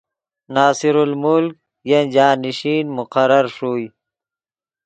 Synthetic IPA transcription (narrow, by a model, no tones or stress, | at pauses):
naːsiɾulmulk̚ | jend͡ʑaːniɕiːnmʊqaɾɐɾʂuːj